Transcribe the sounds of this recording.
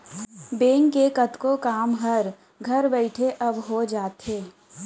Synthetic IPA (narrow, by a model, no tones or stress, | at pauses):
beːŋkekɐt̪kokaːmɦɐɾ | ɡʱɐɾbɛɪʈʰeʔɐbɦod͡ʒaːt̪ɦeː